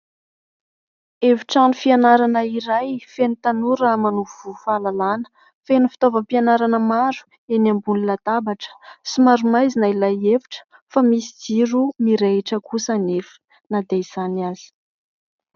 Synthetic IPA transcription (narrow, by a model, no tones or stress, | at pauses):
eviʈ͡ʂanufianaɾanəiɾajfenit̪anuɾamanuvv̥ufalalanə̥ | fenufi̥t̪ovəpianaɾanəmaɾu̥ | enambunilat̪abaʈ͡ʂə̥simaɾumajzinailajeviʈ͡ʂə̥ | famisid͡ziɾumiɾeiʈ͡ʂəkusanefə̥ | nad̪eiz̥anaz̥i̥